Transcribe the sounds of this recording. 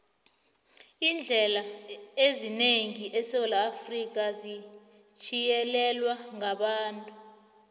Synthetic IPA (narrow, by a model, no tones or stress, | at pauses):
ind͡ɮʱɛlaezineŋiʔɛsɛlaːfrik̬azi | t͡ʃʰʼijɛlɛlwaŋaɓaːntʼu